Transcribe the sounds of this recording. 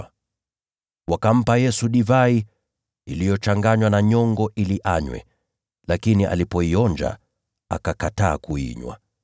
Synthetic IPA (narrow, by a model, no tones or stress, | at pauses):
wakam̩pajɛsuɗivai | ilijɔt͡ʃaŋɡaɲwanaɲɔŋɡɔʔiliʔaɲwɛ̰ | lakiniʔa̰lipɔiɔnd͡ʒa̰ | a̰kakataːkuḭɲwa̰